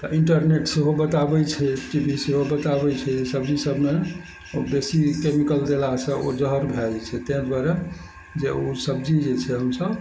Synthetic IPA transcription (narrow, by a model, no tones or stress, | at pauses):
t̪ɔʔiɳʈəɾneʈseɦobət̪abɛt͡ʃʰɛʈibʱiseɦobət̪aβɛt͡ʃʰɛsəbd͡ʒisəbʱme | obesikemikəld̪elasə̃od͡ʒəɦəɾbʱɛlt͡ʃʰɛt̪ɛ̃ɦd̪waɾə | d͡ʒeosəb̚d͡ʒid͡ʒet͡ʃʰɛɦəmsəb